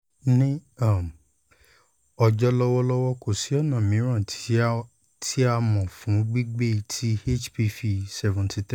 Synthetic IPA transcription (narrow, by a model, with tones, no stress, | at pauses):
nĩ˦a˦˨m˨ | ɔ˧d͡ʒɔ˦lɔ˦wɔ˦lɔ˦wɔ˦ko˨si˨˦ɔ˦˨nã˨mĩ˨˦ɾ̃ã˦˨ | tʰi˦a˦mɔ̃˨fũ˨˦ɡ͡bi˦ɡ͡be˦˧tʰi˦e˦˨t͡ʃpi˧fi˨sɛ˨vɔ̃˨ntʰi˧t